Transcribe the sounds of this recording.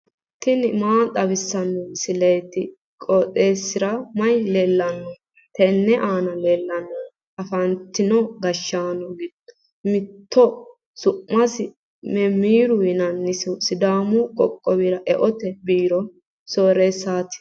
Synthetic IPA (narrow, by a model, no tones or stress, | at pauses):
t̪ːɪnɪmaːt̪ʼɐbɪsːɐnːɔsɪlɛjt̪ɪ | kʼɔtʼeːsːɪɾɐmɐjleːlːɐnːɔ | t̪ɛnːɛʔaːnɐleːlːɐnːɔ | ɐfɐnt̪ːɪnɔɡɐʃːaːnɔɡɪd | mɪt̪ʰːɔ | sʊʔmːɐsɪ | mɛmiːɾʊjɪnɐnːɪsʊsɪd̪aːmʊkʼɔkʼːɔbɪɾɐʔɛʔɔt̪ɛbiːɾɔ | soːɾeːsaːt̪ɪ̥